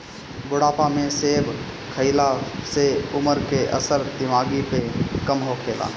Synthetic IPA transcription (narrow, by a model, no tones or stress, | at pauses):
bʊɽaːpamẽseːb | kʰəɪlaseʊməɾkeʔə̰səɾd̪ɪʋaːɡipekəmɦokʰeːla̰ː